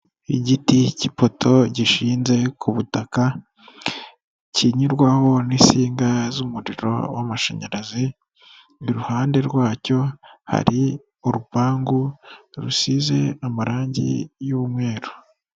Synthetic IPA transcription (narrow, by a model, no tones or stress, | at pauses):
iɟiticipo̞tʰo̞ɟiʃiːnze̞kʰuβutaka | ciɲiɾɡwaho̞nisiːŋɡazumuɾiɾo̞̰wa̰maʃḛɲaɾazi | niɾuhaːnde̞ɾɡwaːco̞ha̰ɾi | uɾupaːŋɡuɾusize̞amaɾaːɲɟḭjuβumŋe̞ːɾu̥